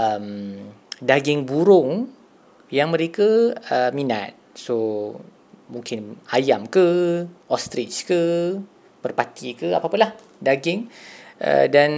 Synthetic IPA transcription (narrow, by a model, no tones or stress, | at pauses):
əm | daɡɪŋbuɾʊŋ | jaŋmə̃ɾekəəmina̰t̪̚so | muŋkɪnajamkəʔɔst̪ɾɪt͡ʃkə | b̥ərpat̪ikəa̰papʊnlah | daɡɪŋʔə̰dan